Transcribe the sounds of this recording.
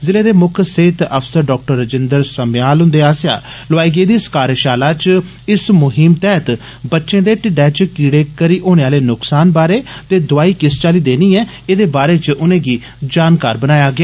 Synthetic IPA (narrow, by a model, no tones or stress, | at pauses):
zɪleːd̪eːmʊkʰseːt̪əpʰsəɾɖɔːk̚ʈəɾːəd͡ʒɪnd̪əɾsəmjaːlɦʊ̃nd̪eːaːsja̰ː | lʊaːiːɡeːd̪iːskaːɾʃaːlaːt͡ʃ | ɪsmʊɦɪmt̪ɛːt̪ | bətːʃẽːd̪eːʈɪɖɛːt͡ʃkiːɽeːkəɾiːʔoːneːaːleːnʊksaːnbaːɾeːt̪eːd̪ʊaːiːkɪst͡ʃaːliːd̪eːniːɛː | eːd̪eːbaːɾeːt͡ʃʊnẽːɡiː | d͡ʒaːnkaːɾbənaːjaːɡɪaː